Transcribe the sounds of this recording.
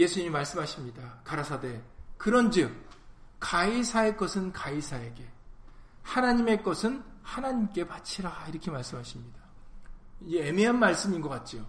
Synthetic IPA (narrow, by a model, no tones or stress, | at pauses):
je̞sʰuɲimimaɭs͈ɯmɦaɕʰimɲidakaɾasʰade̞kɯɾʌnd͡ʑɯk̚kaisʰae̞k͈ʌsʰɯnkaisʰae̞ɡe̞ | hanaɲime̞k͈ʌsʰɯnhanaɲimk͈e̞pat͡ɕʰiɾaiɾʌkʰemaɭs͈ɯmɦaɕʰimɲida | iemeɦanmaɭs͈ɯminɡʌk͈at̚t͡ɕ͈ijo